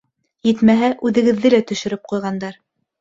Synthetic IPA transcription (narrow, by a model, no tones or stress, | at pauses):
jɘ̆t̪mæɦæʔʉðɘ̆ɡɘ̆ðːɘlæt̪ɵ̆ʃɵ̆ɾɘp̚qujʁɑnd̪ɑɾ